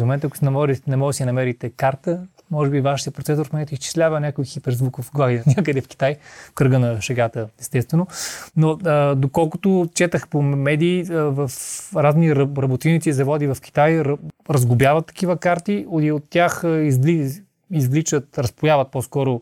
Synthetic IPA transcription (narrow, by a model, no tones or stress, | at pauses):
momɛnt̪əɐkosɛnmɔɾinɛmɔɡsinɐmɛɾit̪ɛkaɾt̪ə | mɔʒɛbivaʃit̪jəpɾot̪sɛsʊɾfmomɛɛt̪ʊist͡ʃi̥slʲavənʲakʊjxipɛɾzvukofɡlˠaɡid̪nʲakəd̪ɛfkʲi̥t̪ajkɾəɡənɐʃɛɡat̪əɛst̪ɛst̪vɛnonoəd̪okɔlˠkʊt̪ʊt͡ʃɛt̪əxpomɛd̪iːəvɐfɾazniɾɾɐbot̪init̪sizɐvɔd̪ivɐfk̟i̥t̪ajɾɾɐzɡʊbʲjavət̪ːɐ̥k̟ivəkaɾt̪iod̪iot̪ːjaxizli | izlit͡ʃət̪ɾɐspojavɐt̪̚pɔskɔɾʊ